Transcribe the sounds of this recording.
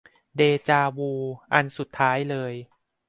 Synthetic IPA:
deː˧t͡ɕaː˧wuː˧ʔa˧nsu˨˩t̪ʰːaː˦˥jlɤː˧j

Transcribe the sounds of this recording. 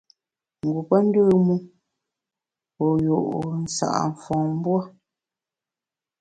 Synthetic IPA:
ŋ̩˨ɡu˨pə˦n̩˦də˦˨mu˦ | pɔ˨jo˨ʔn̩˨sa̰˨ʔa̰˨ɱ̩˨fɔ̃˨m˦bwa˦

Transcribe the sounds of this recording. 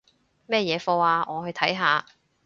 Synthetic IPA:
mɛː˥jɛː˨˧fɔː˧waː˨ŋɔː˨˧hɵ˧t̪ʰɐ˨˥jɦaː˨˧

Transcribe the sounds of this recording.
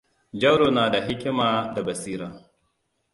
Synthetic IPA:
d͡ʒɐ˦wɽoː˨naː˨da˨ɦɪ˦kʲɪ˦maː˨da˨bɐ˨siː˦ɾaː˨

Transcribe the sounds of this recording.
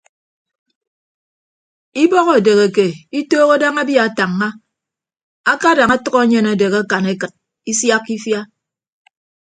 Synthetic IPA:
i˦bɔ˦ɣɔ˨de˨ɣe˨ke˨i˦toː˦ɣa˦da˦ŋa˦bja˦˨ta˨ŋːa˦ | a˦ka˦da˨ŋa˦tʌ˦kɔ˦ɲe˨na˨de˨ɣa˦ka˨ne˦kɨ˨t̚ | i˦sja˦kːi˦fja˦

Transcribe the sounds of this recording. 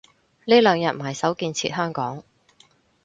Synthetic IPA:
liː˥lœː˨˧ŋjɐ˨t̚maː˨˩jsɐ˨˥wkiː˧nt͡sʰḭː˧t̚ɦœː˥ŋkɔː˨˥ŋ

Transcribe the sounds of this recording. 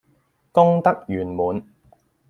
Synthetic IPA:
kʊ˥ŋt̪ɐ˥k̚jyː˨˩nmuː˨n

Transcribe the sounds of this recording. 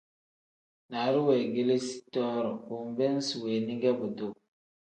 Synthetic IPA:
na˨ɾu˦wɛ˨ɡe˦le˦si̥˦tɔ˦ɾɔ˨ku˨mbɛ˦n˦swe˨ni˦ŋɡɛ˦bo˨do˨

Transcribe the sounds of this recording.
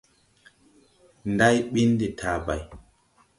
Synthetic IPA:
nda˦jɓi˦ndi˨tʰaː˨ba̰˨j

